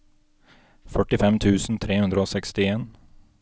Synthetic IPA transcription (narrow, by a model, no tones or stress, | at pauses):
fœʈɪfɛmt̪ʰʉːsn̩t̪ʰɾeːhʉnd̪ɾəoːsɛkst̪ɪeːn